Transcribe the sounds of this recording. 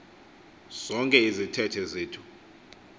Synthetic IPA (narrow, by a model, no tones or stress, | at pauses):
z̥ɔŋkʼɛizitʰɛtʰɛzeːtʰu̥